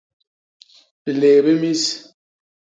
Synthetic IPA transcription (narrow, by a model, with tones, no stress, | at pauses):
bi˨le˨be˦mi˦s